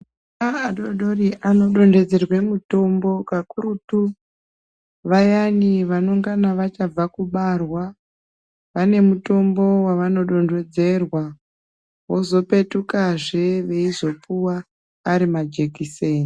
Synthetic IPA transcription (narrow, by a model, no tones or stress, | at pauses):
aaɗoɗo̞riʔano̞ɗo̞nde̞d͡ze̞rwe̞muto̞mbo̞kakuɾutu | ʋajaniʋano̞ŋɡanaʋat͡ʃab͡vakuɓarwa | ʋane̞muto̞mbo̞waʋano̞ɗo̞nde̞d͡ze̞rwa | wo̞zo̞pe̞tukaʐe̞ʋe̞izo̞puwaː | ɾimad͡ʒekiseːni